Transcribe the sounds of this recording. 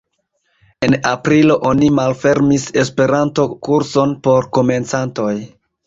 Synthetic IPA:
e̞napɾilo̞ʔonimalfe̞ɾmise̞spe̞ɾanto̞kuɾso̞npo̞ɾko̞me̞nt͡santo̞j

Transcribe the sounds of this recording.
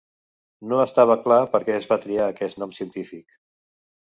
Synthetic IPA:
noəst̪aβ̞əklapəɾkɛəzβat̪ɾiaːkɛsnɔmsiənt̪ifik

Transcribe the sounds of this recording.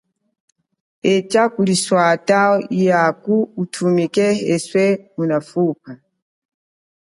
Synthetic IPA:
ɛt͡ʃakuliswataɔijakuːtʰumikɛɛswɛmunafupa

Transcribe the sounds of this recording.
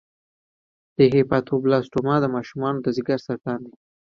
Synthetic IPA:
d̪̥əɦepɑt̪ʰoblɑsʈomɑd̪əmɑʃumɑnod̪əzɪɡaɾsaɾʈɑnd̪i

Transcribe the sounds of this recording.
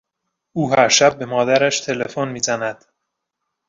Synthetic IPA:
ʔuːɦæɾʃæb̚ːe̞mɒːd̪æɾæʃt̪ʰe̞lefonmiːzænæd̪̥

